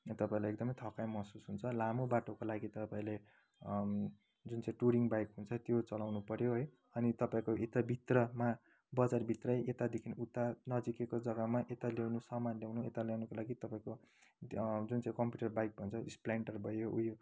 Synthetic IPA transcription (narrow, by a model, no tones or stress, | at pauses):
t̪ʌpaĩlajekɡd̪ʌmʌjt̪ʰʌkajmʌsusɦunt͡sʰʌlamobaʈokolaɡit̪ʌpaĩle | d͡zunt͡saĩʈuɾiŋɡbajkɦunt͡sʰʌt̪jot͡sʌlawnupʌɾjoɦʌj | ʌnit̪ʌpaĩkoet̪abʱit̪rʌma | bʌd͡zarbʱit̪rʌjʔet̪ad̪ekʰinut̪ːanʌd͡zikekod͡zʌɡʌmaʔet̪aljawnusʌmanljawnuet̪aljawnukolaɡit̪ʌpaĩko | d͡zunt͡saĩkʌmpjuʈʌrbajk̚bʱʌnt͡sʰʌisplaɳʈʌrbʱʌjoujo